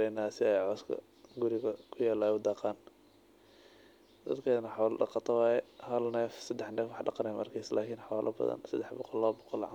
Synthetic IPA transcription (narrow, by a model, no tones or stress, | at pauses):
ɛjnaːsɪɛjʕɔskʰɐ̰ | ɡʊɾɪɣɐkʰʊjaːlaːʊd̪ɑːqɑːn | d̪ɐd̪kʰɛːnɐħɑwlɐɖɑ̰qɑt̪ʰɐwɑːjɛhɐlnɛːfsɐd̪ːɛħnɛːfwɑħɖɑqɑnɛjmɐ̰rkʰiːslaːkʰiːnħɑwalʔɐbɐ̰ðɐ̰nsɐd̪ːɛħbɔqɔlːɔːbɔqɔlʕ